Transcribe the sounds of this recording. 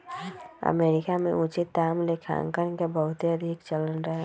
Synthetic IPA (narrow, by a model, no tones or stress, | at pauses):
ə̰meːɾɪkamḛ̃ʊt͡ʃɪt̪ːaːmlekʰã̰ŋkənkebəɦʊt̪eəd̪ʱɪkt͡ʃələnɾəɦɛ